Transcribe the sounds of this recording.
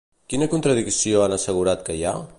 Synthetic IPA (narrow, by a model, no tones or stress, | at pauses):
kinəkunt̪ɾəðiksioanəsəɣuɾat̪kəja